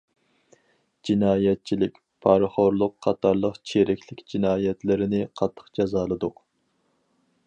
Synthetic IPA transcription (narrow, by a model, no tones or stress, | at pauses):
d͡ʒinɑːjɛt̪̚t͡ʃʰilɪkʲ | pʰɑɾχoɾlˠʊqʰːɑt̪ʰɑɾlˠəqt͡ʃʰeɾɪkʲlɪkʲd͡ʒinɑːjɛt̪lɪɾɪnɪqʰɑt̪ʰːə̥qd͡ʒɑzɑːlˠɨd̪ʊq